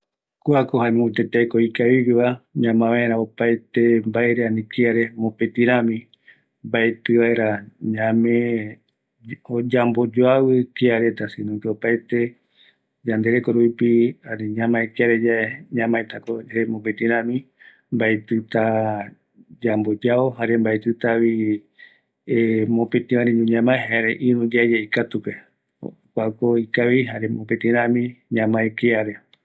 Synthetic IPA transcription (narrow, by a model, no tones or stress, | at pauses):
kuakohanũt̪et̪ajkoikaβiβiβaɲãmãβaeɾaopajt̪e̞mbaeɾeanĩkiaɾe̞mõpet̪ĩɾãmĩ | mbaet̪ɨβaeɾaɲãmẽ | od͡ʒambo̞d͡ʒoawɨkiaɾe̞t̪asĩnũkeopaet̪e̞ | d͡ʒand̪e̞ɾekoɾuipianiɲãmãekaɾed͡ʒaeɲãmãẽt̪akoemõpẽt̪ĩɾãmĩ | mbajt̪ɨt̪a | d͡ʒambod͡ʒaoɦaɾembajt̪ɨt̪aβi | emõpẽt̪ĩãɾĩɲũɲãmãɦaɾeʔĩɾũd͡ʒad͡ʒeikat̪upe | kʷakoikaβiɦaɾemopẽt̪ĩɾãmĩɲãmãekeaɾe